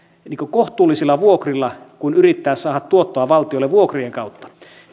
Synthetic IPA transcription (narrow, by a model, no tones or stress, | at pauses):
niːŋkokoht̪ˑuːlːisilːɑʋuokrilːɑkunyrit̪ːæːssɑːhɑt̪tuot̪ːoɑʋɑlt̪iolːeʋuokrieŋkɑut̪ːɑ̥